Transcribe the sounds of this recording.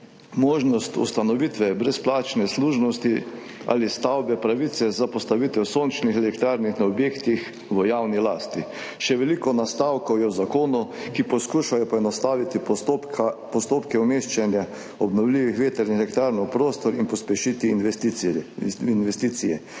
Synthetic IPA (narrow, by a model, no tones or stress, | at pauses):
moːʒnɔst̪ṵst̪anɔʋit̪ʋɛbɾɛsplaːt͡ʃnɛsluːʒnɔst̪i | a̰list̪awbɛpɾaʋit̪sɛzapɔst̪aʋit̪ɛwsont͡ʃnixɛlɛkt̪ɾaːɾnixnaɔbjeːkt̪ix | ʋəjawnilaːst̪i | ʃɛʋɛlikɔnast̪awkɔwjɛwzakoːnukipɔskuʃajɔpɔɛnɔst̪aːʋit̪itpɔst̪oːpkɛumeːʃt͡ʃɛnja | ɔbnɔwliːʋixʋeːt̪ɛɾnixɛlɛkt̪ɾaːɾnɔpɾoːst̪ɔɾinpɔspɛʃit̪int̪ | inʋɛst̪iːt̪sijɛ